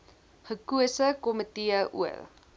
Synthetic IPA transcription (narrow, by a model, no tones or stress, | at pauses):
χəkuəsəkɔmətiəʔṵə̰l